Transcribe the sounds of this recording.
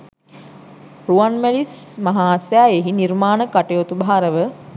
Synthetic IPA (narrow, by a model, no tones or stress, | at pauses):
ruanmælismaɦaːsjaeɦiniɾmaːnəkaʈejot̪ubaɦaɾəʋə